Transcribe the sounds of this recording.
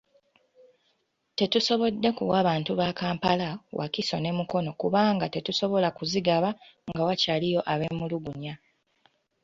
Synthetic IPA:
te̞tuso̞βo̞dːe̞kuwaβaːntuβaːkaːmpalawa̰kiso̞̰ne̞muko̞no̞kuβaːŋɡate̞tuso̞βo̞lakuziɡaβaŋɡawacalijo̞ʔaβe̞ːmuluɡuɲa

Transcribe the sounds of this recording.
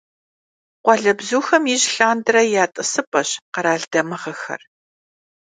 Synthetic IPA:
qʷɔɮɐbzuːxɐmiːʑɬaːndɨɾɐjaːtʼɨsɨpʼɐɕqɐɾaːɮd̥ɐmɨʁɐxɐ̰r

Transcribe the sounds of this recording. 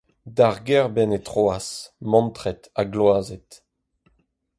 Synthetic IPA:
daʁɡɛʁbɛnet̪χoasmɑ̃nt̪χɛt̪aɡlwaːzet̪

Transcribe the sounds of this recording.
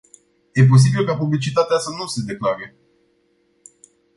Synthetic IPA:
je̞p̬o̞s̬ibilkapublit͡ʃit̪at̪easənuse̞d̪e̞klaɾe

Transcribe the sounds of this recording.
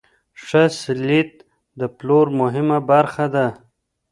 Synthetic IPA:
ʂəsɪlit̪̚ | d̪əploɾmʊɦɪmabaɾxad̪a

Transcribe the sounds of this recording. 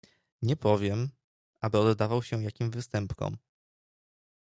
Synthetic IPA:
ɲɛpɔvʲjɛm | ʔabɘɔd̪ːavawɕɛjakʲimvɘst̪ɛmpkɔ̰m

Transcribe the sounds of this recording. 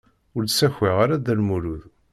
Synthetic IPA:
ʊɾsæçeʁaɾad̪ælmuɾuð

